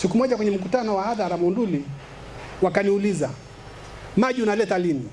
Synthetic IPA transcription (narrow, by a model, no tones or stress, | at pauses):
sikumɔʄakwɛɲɛm̩k̬utanɔwahaðaɾamɔnduli | wakaɲiuliza | maʄiunalɛtalini